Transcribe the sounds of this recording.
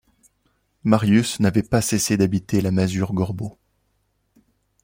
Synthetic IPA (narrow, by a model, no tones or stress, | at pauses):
maʁjysnavɛpasesed̪abit̪elamazyʁɡɔʁbo